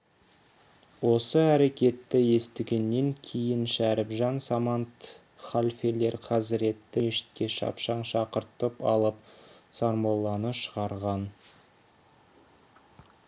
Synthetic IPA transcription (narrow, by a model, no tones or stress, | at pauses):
wo̞səæɾe̞kʲe̞t̪ːɪje̞st̪ɪɡʲe̞nːe̞ŋkʲʰe̞jɪnʃæɾɪpʒɑnsamɑnt̪ | χalʲfele̞ɾqʰɑzɪɾe̞t̪ːɪmeʃɪ̥t̪̚kʲe̞ʃɑ̰pʃɑɴʃɑqəɾt̪əpɑ̰lˠəp̚sɑɾmɑlˠːɑnəʃəʁɑɾʁɑn